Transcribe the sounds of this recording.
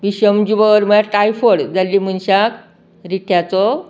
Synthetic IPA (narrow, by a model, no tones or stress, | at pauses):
ʋiɕəmd͡ʑubəɾməaʈajfəɽd͡zalːimunɕak | ɾiʈʰjat͡sɔ